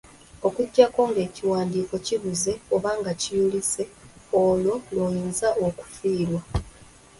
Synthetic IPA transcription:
o̞kuɟːako̞ːŋɡe̞ːciwaːndiːko̞ciβuze̞oβaːŋɡacijulise̞olo̞lwoːjiːnzaʔoku̥fiːɾwa

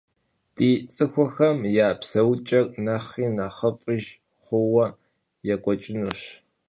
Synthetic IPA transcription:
d̥iːt͡sʼɨxʷɔxɐmjaːpsɐwt͡ʃʼɐkʼnɐχiːnɐχəpʼɨʒ | χʷʊwɐ | jɛkʷʼɔt͡ʃʼɪnuɕ

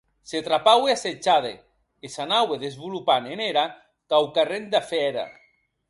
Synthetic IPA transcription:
set̪ɾapaweaset͡ʃaðḛ | esanaweðezβulupaneneɾa | kawkarend̪afɛɾa̰

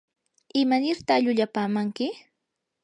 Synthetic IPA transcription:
ɪmanɪɾt̪aʎʊʎapaːmaŋkɪ

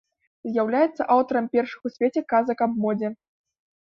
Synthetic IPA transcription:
zʲjawlʲajɛt̪sːɐʔawt̪ɐɾɐmpʲɛrʂɨ̥xusʲvʲet͡sʲɛkazɐkabmɔd͡zʲɛ

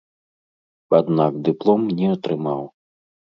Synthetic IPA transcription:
ad̪nakd̪ɨplˠɔmnʲɛɐt̪ɾɨmaw

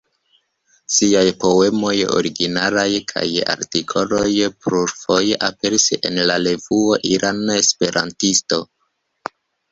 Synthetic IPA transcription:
siajpo̞e̞mo̞jo̞̰ɾiɡinalajkʰa̰ja̰ɾtikʰo̞lo̞jpɾuɾfo̞jʔape̞ɾise̞̰nlale̞vuo̞ʔiɾʔanespe̞ɾʔa̰ntisto̞

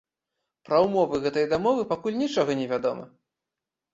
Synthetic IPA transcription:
pɾɐwmɔvɨɣɛt̪ɐjd̪amɔvɨpakulʲnʲit͡ʂɔɣɐnʲɛvʲad̪ɔmɐ̰

